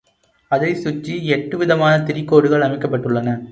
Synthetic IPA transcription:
ɐðɐɪsʊt͡ʃːiɛʈːɯʋɪðɐmaːnɐt̪ɪɾɪkːoːɽɯɣɐɭɐmɪkːɐpːɐʈːɯɭːɐnɐ

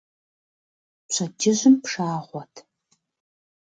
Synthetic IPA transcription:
pɕʰɐdɪʑɪmpʂaːʁʷɔtʰ

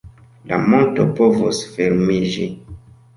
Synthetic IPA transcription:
la̰mɔ̃ntɔpɔvɔsfɛɾmiʒi

